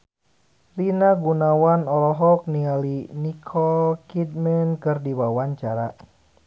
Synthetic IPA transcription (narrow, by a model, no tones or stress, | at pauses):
rinaɡunawanɔlɔɦɔk̚nialinikʰɔlkit̚mɛnkɨrdiwawaɲt͡ʃaɾa